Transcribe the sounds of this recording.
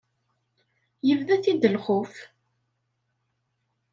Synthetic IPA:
jəvðæθid̪əlχʊf

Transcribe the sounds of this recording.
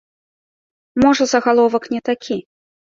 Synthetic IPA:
mɔʐɐzɐɣalˠɔvɐknʲɛt̪akʲʰi

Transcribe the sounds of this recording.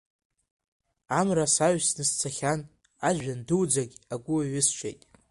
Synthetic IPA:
amrasaɥsnɨst͡sʰaχʲan | aʒᶣandɨwd͡zaɡʲaɡʷʊaɥɪst͡ʃʷʰḛjtʼ

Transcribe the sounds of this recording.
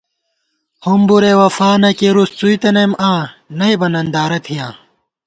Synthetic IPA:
humbuɾewɐfaːnɐkeɾust͡suit̪ɐnɐjmʔãːnɐibɐnɐnd̪aːɾɐt̪ʰijãː

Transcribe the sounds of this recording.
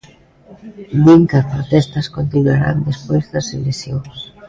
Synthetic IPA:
biŋkapɾot̪ɛst̪ɐskont̪inuaɾa̰nd̪espojzðɐselesjoŋs

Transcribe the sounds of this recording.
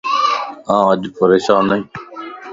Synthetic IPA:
ãːəʄpəɾeːʃãːnəĩː

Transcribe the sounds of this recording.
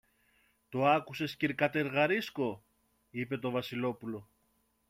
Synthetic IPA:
t̪oɐkuse̞sciɾkɐt̪e̞ɾɣɐɾisko̞ | ipe̞t̪o̞vɐsilo̞pulo̞

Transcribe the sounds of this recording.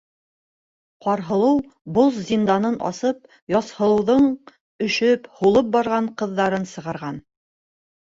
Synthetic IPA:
qɒɾɦɤ̆lˠɤw | bozzʲind̪ɑnɤnʔɒ̰sɤp̚ | jɒshɤ̆lˠɤ̆wðɤɴ | ɵ̆ʃɵphulˠɤp̚bɑɾʁɑɴqɤ̆ðːɑɾɤnsɤ̆ʁɑ̆ɾʁɑn

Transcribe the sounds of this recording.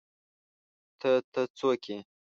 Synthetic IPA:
t̪ʰət̪ət͡sokʰe

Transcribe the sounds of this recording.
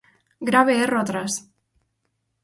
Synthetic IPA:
ɡɾaβeerɔt̪ɾas

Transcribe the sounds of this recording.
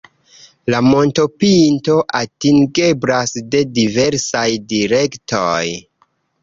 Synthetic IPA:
lamo̞nto̞pinto̞ʔatiŋɡeblasde̞dive̞ɾsajdiɾe̞ktoj

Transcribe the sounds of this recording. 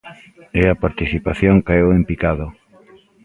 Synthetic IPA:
ɛapaɾt̪iθipaθjoŋkaewempikaðo

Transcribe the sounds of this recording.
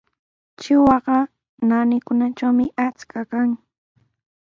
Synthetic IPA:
t͡ʃɪwɑɢɑ | nanɪkʊnat͡ʃawmɪʔat͡skakaŋ

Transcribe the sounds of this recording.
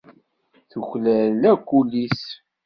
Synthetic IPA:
θuçlælækʷːulːis

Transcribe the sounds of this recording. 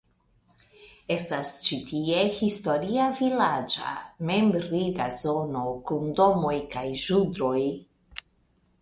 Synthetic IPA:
e̞stast͡ʃitie̞histo̞ɾiavilad͡ʒa̰me̞mbɾiɡazo̞no̞kundo̞mo̞jkajʒudɾo̞j

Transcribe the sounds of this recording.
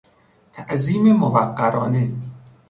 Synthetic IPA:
t̪ʰæʔziːmemovæɢːæɾɒːne

